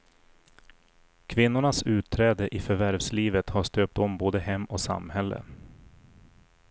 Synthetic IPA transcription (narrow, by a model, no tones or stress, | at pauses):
kʰvɪnːʊɳasʉ̟ːt̪ʰːɾɛːd̪əʔɪfœɾvæɾvsliːvət̪haʂt̪øːp̚t̪ɔmboːd̪əhɛmːɔsa̰mːhɛlːə̰